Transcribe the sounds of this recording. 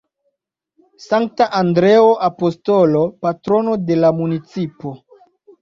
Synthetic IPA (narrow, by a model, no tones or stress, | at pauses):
saŋk̚taʔandɾe̞oʔapo̞sto̞lo̞patɾo̞no̞de̞lamunit͡sipo̞